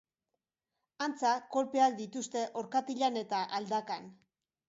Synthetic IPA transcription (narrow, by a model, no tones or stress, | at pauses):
ant͡sako̞lpeakd̪it̪ust̪e̞ʔo̞ɾkat̪iʎane̞t̪aʔald̪akan